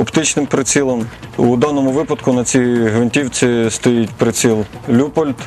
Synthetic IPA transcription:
ɔpt̪ɪt͡ʃnɪmpɾɪt͡sʲilˠɐmud̪ɑnɔmʊʋɪpɐd̪kʊnɐt͡sʲiɦʋenʲtʲiwt͡sʲist̪ɔjitʲpɾɪt͡sʲilˠlʲupɔlʲt̪

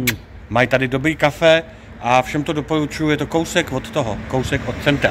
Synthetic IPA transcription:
majt̪adɪdo̞bɾiːkafɛ | ʔafʃɛmt̪odopo̞ɾut͡ʃujujɛt̪oko̞wsɛkvo̞t̪ːoɦokowsɛkʔot̪̚t͡sɛnt̪ɾa

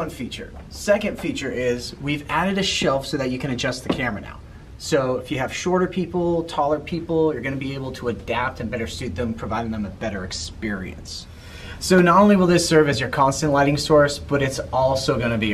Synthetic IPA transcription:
ʌ̃nfit͡ʃə̰˞ | sɛkɨ̃nd̥fit͡ʃə˞ʔɪzwivæɾɨɾɨʃɛlˠfsoʊðɨt͡ʃɨkʰɨ̃ñɨd͡ʒʌst̪̚ðɨkʰɛɹmɨna̰ʊt̚ | soʊɪfjɨːv̥ʃɔɹɾə˞pʰipl̩ˠtʰɔlˠə˞pʰipl̩ˠjə˞ɡʌnɨbieɪbl̩ˠtʰəːdæp̚tɨ̃nbɛɾə˞sʉt̪̚ðɨ̃mpʰɹ̥ɨvaɪɾɪ̃ŋðə̃mɨðb̥ɛɾə˞ɨkspɪɹḭɨ̰̃nsː | oʊnəɾõʊ̃nliwəlˠðɪsɜ˞vɨzjə˞kʰɑ̃nstɨ̃nʔlaɪɾɪ̃ŋsɔɹsb̥ʌɾɨtsɔlˠsoʊɡʌñɨbi

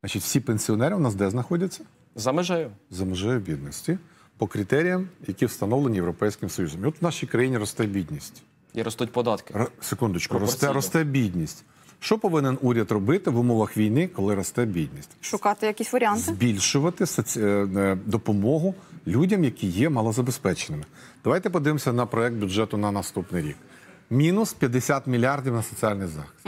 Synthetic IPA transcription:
ɑt͡ʃitʲw̥sʲipenʲsʲiɔnɛɾɪnɑsd̪ɛznɐxɔdʲɐt͡sʲːɐ | zɐmɪʒɛjʊzɐmeʒɛjʊbʲid̪nɔsʲtʲi | pɔkɾɪt̪ɛɾʲijɐmjɐkʲiwst̪ɐnɔʋlˠenʲijewɾɔpɛjsʲkɪmsɔjuzɔmiɔt̪ʋnɑʃijkɾɐjinʲiɾɔst̪ɛbʲid̪ʲnʲisʲtʲ | jɾɔst̪ut̚ʲpɔd̪ɑt̪kɪrsekund̪ɪt͡ʃkɔɾɔst̪ɛɾɔst̪ɛbʲidʲnʲisʲtʲ | ʃt͡ʃɔpɔʋɪnenuɾʲɐd̪rɔbɪt̪ɪʋumɔʋɐxʋʲijnɪkɔlˠɪɾɔst̪ɛbʲid̪ʲnʲisʲtʲʃʊkɑt̪ɪjɐkʲisʲʋɐɾʲɪant̪zɪbʲilʲʃʊʋɐt̪ɪsɐt͡sʲ | d̪ɔpɔmɔɦʊlʲudʲɐmjɐkijɛmɐlˠɔzɐbespɛt͡ʃenɪmɪ | d̪̥ɐʋajt̪ɛpɔd̪ɪʋɪmsʲɐnɐpɾɔɛk̚t̪̚bʲʊd͡ʒɛt̪ʊnɐnɐst̪upnɪjɾʲḭk | mʲinʊspʲjɐd̪esʲat̪mʲilʲiɑrdʲiwnɐsɔt͡sʲialʲnɪjzɑ̰xɪ̥sʲt̪ʲ

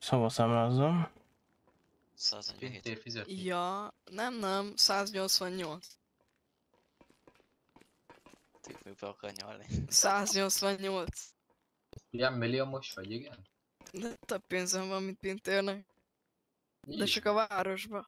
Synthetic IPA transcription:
sobɒsamɾazːom | pint̪efizɛjɒnɛmnɛmsaːzɲo̞lt̪sʋɒɲːolt̪s | t̪ḛfekɒ̰ɲo̰lnḭsaːzɲo̞lt̪sʋɒɲːolt̪s | lamːiliomoʃʋɒɟiɡɛn | d̪ɛt̪øbpeːnzɛɱvɒmːint̪̚pint̪eːrnɛk̚ | d̪ɛt͡ʃɒkɒvaːɾo̞ʒbɒ

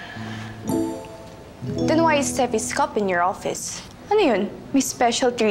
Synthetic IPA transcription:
d̪̥ɛ̃nwajɪstɛfiskɔpɪ̃njɔɹɔfɪ̰s | əniɨ̃nmispɛʃəldɹi

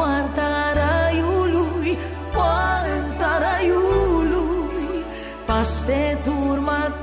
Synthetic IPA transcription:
aɾt̪aɾajuluj | paɾt̪aɾajuluj | past̪ed̪ʱuɾma

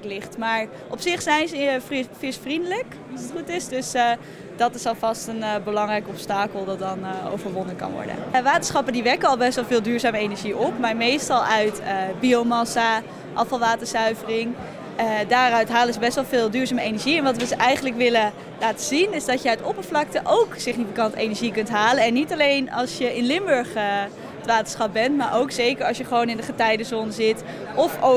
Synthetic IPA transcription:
lɪχtmaːɹ | ʔɔpsɪχsɛjnzəffɪsfrindələk | sətχutɪsdɵs | dɑtɪsɑlˠvɑstənbəlɑŋrɛjkɔpstaːkəlˠdɑt̚dɑno̰wvəɹʋɔndənkɑ̰nʋɔ̰ɹdə̰nʋaːtəsχɑpəndiʋɛɹkəɑlˠbɛstʋɛlˠvɪːlˠdyːɹzaːməejnəɹʒiʔɔpmaːɹmejstɑlˠœɥtəbiowmɑsa | ʔɑfɑlˠʋaːtəɹsœɥvərɪŋ | daːɾœɥtɦaːləzəbɛstʋɑlˠvɪːlˠdyːɹzaːməejnəɹʒiɛnʋɑtʋəzʔɛjχəntləkʋɪlə | laːtəzinɪzdɑtjəœɥtɔpəɹvlɑk̚təʔowksɪχnifikɑntḛjnəɹʒikɵntɦaːlənɛnːitɑlejnɑ̰lˠsjəɪnlɪmbɵɹχə | ətʋaːtə̥sχɑp̚bɛntmaːɹʔowksejkəɹɑ̰sjəχəʋownɪndəχətɛjdəzonzɪt | ʔɔfo

